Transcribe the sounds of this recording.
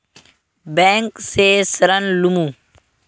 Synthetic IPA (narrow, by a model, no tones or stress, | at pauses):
bẽːŋkseːsɐɾənlumũ